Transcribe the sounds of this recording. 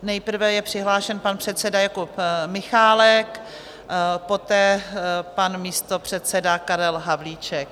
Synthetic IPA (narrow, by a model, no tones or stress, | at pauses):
nɛjpr̩vɛjɛpr̥ɪɦlaːʃɛnpanpr̝̥ɛt̪sɛdajakopmɪxaːlɛk | po̞t̪ɛːpanmiːst̪o̞pr̝̥ɛt̪sɛdakaɾɛlɦavliːt͡ʃɛk̚